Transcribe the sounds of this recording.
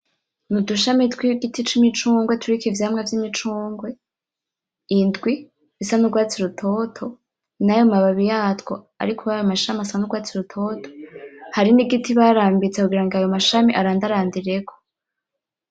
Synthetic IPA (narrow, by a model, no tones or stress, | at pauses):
nuduʃamitwiɡitit͡ʃimit͡ʃuːŋɡwetʰuɾikivjaːmŋavjimit͡ʃuːŋɡwe̞ | indɡwi | βisanuɡwaːt͡siɾutʰo̞tʰo̞ | najomaβaβijaːtwo̞ | a̰ɾikʰojajomaʃamiasanuɡwaːt͡siɾutʰo̞tʰo̥haɾiniɡitiβaɾaːmbit͡sekuɡiɾaŋɡiajo̞maʃamiʔaɾaːndaɾaːndiɾe̞kʰo̥